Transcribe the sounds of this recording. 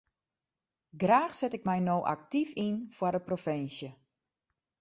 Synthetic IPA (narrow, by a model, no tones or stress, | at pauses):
ɡraːxsɛtɪk̚mɛjnoːʔa̰k̚tifinfwardəprofɪnsjə